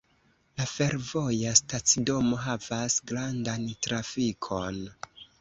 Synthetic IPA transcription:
lafe̞ɾvo̞jastat͡sido̞mo̞ɦavasɡɾandantɾafikʰo̞n

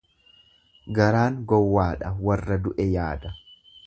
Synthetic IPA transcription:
ɡɐɾaːŋɡɔwːaːᶑɐwɐrːɐd̪ʊʔɛjaːd̪ɐ

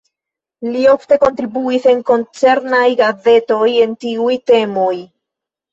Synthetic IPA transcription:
lio̞fte̞ko̞ntɾibuise̞nko̞nt͡se̞ɾnajɡaze̞to̞je̞ntiujte̞mo̞j

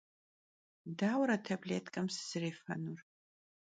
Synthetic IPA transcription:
daːwɾɐtʰɐbleːtʰʼkʼɐmsɨ̥zɨreːfɐ̰nur

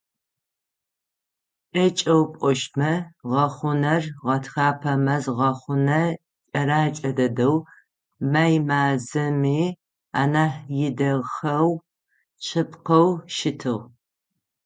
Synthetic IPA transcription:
t͡ʃʼɐt͡ʃʼɐwpʷʼɔʃmɐʁɐχʷʊnɐrʁɐtʰxaːpʰɐmɐzʁɐχʷʊnɐ | t͡ʃʼɐɾaːt͡ʃʼɐdɐdɐw | maːjmaːzɐmiː | a̰ːnaːħjɪdɐɣxɐw | t͡ʃʰɨpqɐwʃɪtʰɨʁ

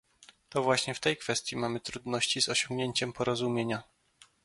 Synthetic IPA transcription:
t̪ɔvwaɕɲɛft̪ɛjkfɛst̪ʲjimamɘt̪ɾud̪nɔɕt͡ɕizɔɕɔŋɡɲeɲt͡ɕɛmpɔɾɔzumʲjeɲa

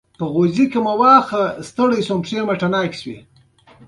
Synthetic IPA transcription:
pəɣozikemawɑːxast̪əɽəjsompʂeːmaʈanɑːkswḭ

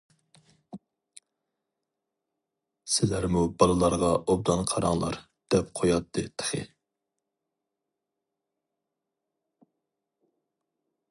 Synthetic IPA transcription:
sɪlæɾmubɑlˠɨlˠɑɾʁɑʔob̚d̪ɑnqʰɑɾɑŋlˠɑ̰ɾ | d̪̥ɛp̚qʰojɑt̪ʰːɨt̪ʰə̥χɨ̰

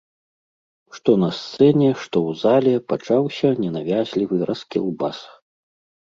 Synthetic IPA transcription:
ʂt̪ɔnɐst̪sɛnʲɛʂt̪ɔwzalʲɛpat͡ʂawsʲɐnʲɛnavʲazʲlʲivɨɾʔɐskʲɛlˠbas

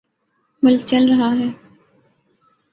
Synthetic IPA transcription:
bəlt͡ʃəlɾəɦaːɦɛː

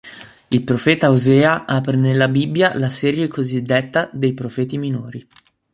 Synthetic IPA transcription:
ilpɾofɛːt̪aozɛːaʔaːpɾenelːabibːjalasɛːɾjekozid̪ːet̪ːad̪ejpɾofɛːt̪iminoːɾi

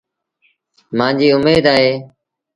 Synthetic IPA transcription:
mãːd͡ʒiːʊmeːd̪aːɦeː

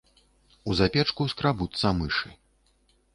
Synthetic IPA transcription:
uzapʲɛt͡ʂkuskɾabut̪sːɐmɨʂɨ

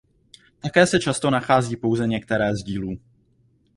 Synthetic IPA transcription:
t̪akɛːsɛt͡ʃast̪o̞naxaːziːpo̞wzɛɲɛkt̪ɛɾɛːzɟiːluː

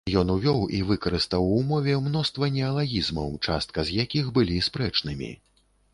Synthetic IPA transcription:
jɔnuvʲɔwʔivɨkɐɾɨst̪ɐwumɔvʲɛmnɔst̪vɐnʲɛɐlˠaɣʲizmɐ̰wt͡ʂa̰st̪̚kɐzjakʲixbɨlʲispɾɛt͡ʂnɨmʲḭ

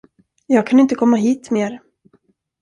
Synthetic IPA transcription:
jɑːɡ̚kʰanɪnt̪əkʰɔmːaɦiːt̪meːɾ

